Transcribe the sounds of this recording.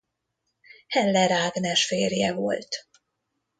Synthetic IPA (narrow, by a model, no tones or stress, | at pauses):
hɛnlɛɾaːɡnɛʃfeːrjɛvo̞̰lt̪